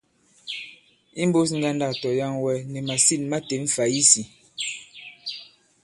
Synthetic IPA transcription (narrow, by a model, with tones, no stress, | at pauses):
i˦m˦bo˦s̬ŋ̩˦ɡa˦nda˦˨tɔ˨ja˦ŋwɛ˦nɛ˨ma˨si˦˨nma˦te˨ɱ̩˦fa˨i˦si˨